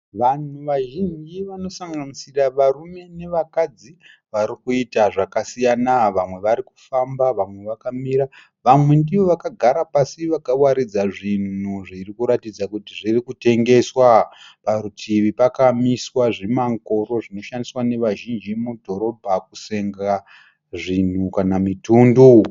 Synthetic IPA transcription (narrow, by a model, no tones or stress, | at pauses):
ʋan̤uʋaʒind͡ʒiʋano̞saŋɡanisiraʋarume̞ne̞ʋakad͡zi | ʋaɾikuitaʐakasijanaʋamwe̞ʋaɾiku̥fambaʋamwe̞ʋakamiɾa | ʋamwe̞ndiʋo̞ʋakaɡʱaɾapasiʋakawaɾid͡zaʐin̤n̤uʐirikuɾatid͡zakutiʐirikute̞ŋɡe̞swapaɾutʰiʋipakamiswaʐimaŋko̞ɾo̞ʐino̞ʃandiswane̞ʋaʒind͡ʒimudʱo̞ɾo̞bʱakuse̞ŋɡa | ʐin̤ukanamituːndu